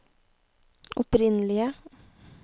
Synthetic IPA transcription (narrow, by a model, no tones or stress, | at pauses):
ʔɔpɾɪnəlɪə